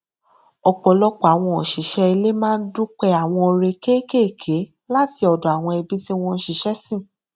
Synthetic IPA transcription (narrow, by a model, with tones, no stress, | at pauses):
ɔ˨k͡pɔ˨lɔ˦k͡pɔ˨a˨w̃ɔ̃˧ɔ˨ʃi˨ʃɛ˦i˧le˦mãː˦n̩˦du˦k͡pɛ˦˧a˨w̃ɔ̃˧o˧ɾe˧ke˦ke˦˨kʰe˨˦ | la˦ti˧ɔ˨dɔ˨a˨w̃ɔ̃˧i˧bi˦ti˦w̃ɔ̃˦˧n̩˦ʃi˨ʃɛ˦sĩ˦˨